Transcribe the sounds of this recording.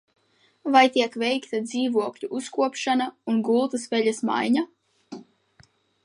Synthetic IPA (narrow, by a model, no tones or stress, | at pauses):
vajt̪iɛkvɛjkt̪ad̪ziːvuɔklʲuʔuskuɔpʃanaunɡulˠt̪ɐsvɛʎʲasma̰jɲa